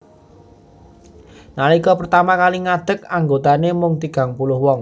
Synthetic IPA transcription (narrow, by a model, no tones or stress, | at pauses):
nalikɔpərt̪amakaliŋad̪̥ə̤kaŋɡot̪anemʊŋt̪iɡ̥a̤ŋpulʊhwɔŋ